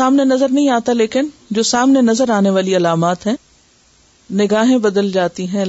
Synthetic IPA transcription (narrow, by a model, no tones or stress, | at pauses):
aːmnenɐzəɾnɐɦĩaːt̪aleːkɪnd͡ʒoːsaːmnenɐzəɾaːneʋaːliɐlaːmaːt̪ɦɛ̃ː | nɪɡaːɦẽbɐd̪əld͡ʒaːt̪iɦɛ̃